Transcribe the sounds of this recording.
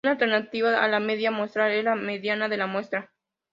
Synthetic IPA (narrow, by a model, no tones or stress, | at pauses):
alt̪eɾnat̪iβaa̰lameðjamwo̞st̪ɾalezlameðjanaðe̞lamwest̪ɾa